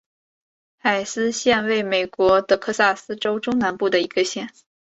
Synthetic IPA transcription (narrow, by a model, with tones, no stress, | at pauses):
xa˨˩ɪsɹ̩˥ɕjɛ˥˧nwe˥˩ɪme˨˩ɪkwɔ˧˥t̪ə˧kʰɤ˥˧sa˥˩sɹ̩˥ʈ͡ʂo˥ʊʈ͡ʂʊ˥ŋna˧˥npu˥˩d̪ə˩i˧˥ɡ̥ə˧ɕjɛ˥˩n